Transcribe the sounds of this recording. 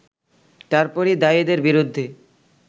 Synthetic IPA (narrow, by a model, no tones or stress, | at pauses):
t̪aɾpɔɾid̪aid̪eɾbiɾud̪ʱːe